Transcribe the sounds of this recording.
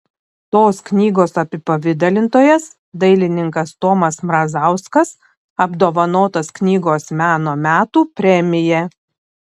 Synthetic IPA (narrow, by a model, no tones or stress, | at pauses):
t̪oːsknʲiːɡoːsɐpʲɪpɐʋʲɪd̪ɐlʲɪnt̪oːjɛs | d̪ɐɪlʲɪnʲɪŋkɐst̪oːmɐsmɾɐzɑˑʊskɐs | ɐbd̪oːʋɐnoːt̪ɐsknʲiːɡoːsmʲæːnoːmʲæːt̪uːpʲɾʲɛmʲɪjɛ